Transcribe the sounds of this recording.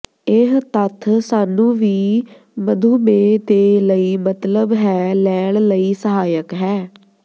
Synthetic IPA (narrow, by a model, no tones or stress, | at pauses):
ɪɦt̪ət̪ʰsaːnũːʋiː | məd̪ʱuːmeːd̪eːləiːmət̪ləbɦɛːlɛːɽləiːsəɦaːjəkɦɛː